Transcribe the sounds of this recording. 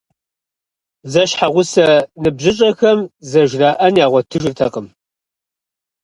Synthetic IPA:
zɐʃħaʁʷʊsɐnɨbʑɪɕʼɐxɐmzɐʒraːʔɐnjaːʁʷɔtʰɨʒɪrtʰɐ̰qəm

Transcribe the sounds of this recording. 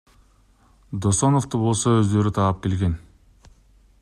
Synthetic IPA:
d̪oso̞noft̪ubo̞lˠsoøzd̪ø̞ɾyt̪ʰɑp̚ke̞lɡe̞n

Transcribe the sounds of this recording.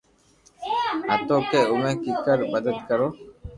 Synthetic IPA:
ɦət̪oːkeːʊmẽːkiːkəɾbəd̪əd̪kəɾoː

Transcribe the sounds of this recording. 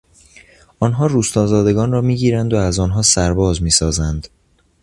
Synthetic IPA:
ʔɒːnɦɒːɾuːst̪ɒːzɒːd̪e̞ɡɒːnrɒːmiːɟiːɾænd̪oæzɒːnɦɒːsæɾbɒːzmiːsɒːzænd̪

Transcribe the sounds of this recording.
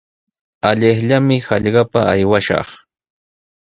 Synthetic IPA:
aʎɪχʎamɪhɑʎɢɑpaːjwaʃɑ̰χ

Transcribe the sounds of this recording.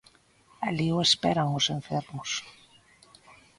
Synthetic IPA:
alioespeɾaŋʊseɱfeɾmʊs

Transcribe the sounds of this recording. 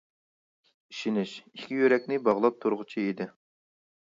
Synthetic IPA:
iʃinɪʃikʲijøɾɛkʲnɪbɑʁlˠɑp̚t̪ʰuɾʁʊt͡ʃʰiid̪ɪ

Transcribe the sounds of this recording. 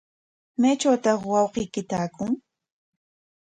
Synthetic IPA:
majt͡ʃawt̪ɑχwɑwqɪjkɪt̪aːkʊŋ

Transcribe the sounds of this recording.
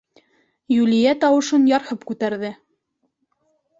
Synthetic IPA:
jʉlijæt̪ɑwɤ̆ʃɤnjɑɾhɤpkʉt̪æɾðɘ

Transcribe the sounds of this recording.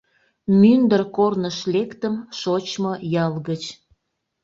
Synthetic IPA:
mynd̪ərkornəʃlekt̪əmʃot͡ɕmojɑlɣət͡ɕ

